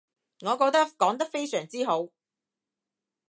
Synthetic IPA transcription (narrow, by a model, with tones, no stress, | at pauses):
ŋɔː˨˧kɔː˧k̚t̪ɐ˥kɔː˨˥ŋt̪ɐ˥k̚fe˥jsœː˨˩ŋt͡siː˥ɦo˨˥w